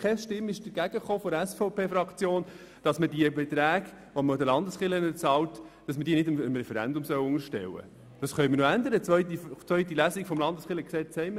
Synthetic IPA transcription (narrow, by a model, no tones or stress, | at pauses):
kʰɛsʃtɪmːɪʃd̥əɾɡ̥æɡəχoːfɔɾæsfɔʊpʰeːfɾɑkt͡sjoːn | d̥ɑsmədiəbɛtɾæːɡ | ʋomdəlɑndəsχɪlənət͡sɑwtd̥ɑsməɾdiːnɪdɪmɪmɾɛfɛɾæ̰ndʊmsœwʊŋəʃtɛ̰wə̰ | d̥ɑsχœʏmənoænd̪əɾət͡sʋœʏtit͡sʋœʏɥtilæsikfɔmlɑndəsχɪləksɛːhɛɪmə